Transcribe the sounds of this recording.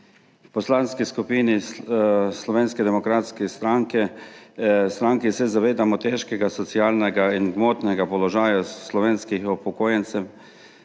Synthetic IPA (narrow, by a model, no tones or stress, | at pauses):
pɔslanskiskupiːni | slɔʋeːnskɛd̪ɛmɔkɾat̪skɛst̪ɾaŋkɛ | st̪ɾaŋkisɛzaʋeːd̪amɔt̪ɛʃkɛɡasɔt̪siaːlnɛɡainɡmoːt̪nɛɡapɔlɔʒaːjaslɔʋeːnskixɔpɔkoːjɛnt̪sɛw